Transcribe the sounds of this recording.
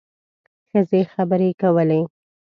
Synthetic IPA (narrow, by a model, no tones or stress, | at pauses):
xəzexabəɾekawəle